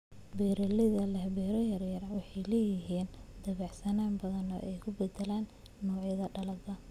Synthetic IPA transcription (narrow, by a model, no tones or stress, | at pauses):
bɛːɾɐlɪðɐlɐhbɛːɾɐjɐrjɐrɐwɑħɑjlɛːjɪɦiːnd̪ɐβɑʕsɐnaːmbɐðɐnɔ̰ːʔɛjkʰʊbɛd̪ɛlaːnː | ɔːʕjɐðɐɖɐlɐd̪ɐ